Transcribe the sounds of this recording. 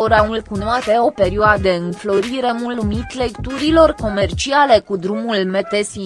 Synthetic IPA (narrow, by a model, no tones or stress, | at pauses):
oɾaulkunoat̪eo̞pe̞ɾioad̪eɨnflo̞ɾiɾe̞mulumit̪le̞kt̪uɾilo̞rko̞me̞rt͡ʃiale̞kud̪ɾumulme̞t̪esi